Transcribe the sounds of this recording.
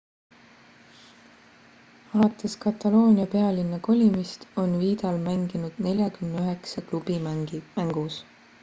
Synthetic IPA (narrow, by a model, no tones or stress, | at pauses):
ɑlɑt̪ːˑe̞skɑt̪ːˑɑlo̞ːnʲiɑpe̞ɑlinːɑko̞lʲimist̪o̞nviːd̪̥ɑlmæŋɡ̥inud̪̥ne̞lʲjɑkymneøɦeksɑklubimæŋɡ̥us